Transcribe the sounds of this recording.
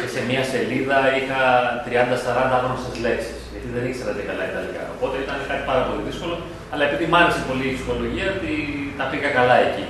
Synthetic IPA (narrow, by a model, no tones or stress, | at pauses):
cese̞miɐse̞liðɐixɐt̪ɾiɐnd̪ɐsɐɾɐnd̪ɐɐxɾosezle̞ksi̥sʝɐt̪iðe̞niseɾɐt̪ekɐlɐid̪ɐliçɐ̰o̞̰po̞t̪e̞it̪ɐnkɐt̪i̥pɐɾɐpo̞liðisko̞lo̞ | ɐlɐepiðimɐɾesepo̞liːksixo̞lo̞ʝiɐot̪it̪ɐpiɣɐkɐlɐe̞ci